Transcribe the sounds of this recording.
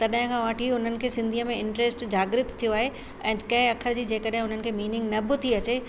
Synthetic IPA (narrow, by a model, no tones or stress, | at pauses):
t̪ɐɗɦɪ̃kʰãːʋaːʈʰiʊn̤ənɪ̆kʰeːsɪ̃nd̪ʱiːəmẽɪ̃ɳʈɾeːsʈd͡ʑaːɡɾɪt̪tʰːijoaːɦe | ɛ̃ːkɐ̃ɦɪ̃ɐkʰəɾd͡ʑiːd͡ʑeːkəɗɦɪ̃ʊn̤ənɪ̆kʰeːmiːnɪ̃ŋɡnɐbɪ̆t̪ʰiɐt͡ɕe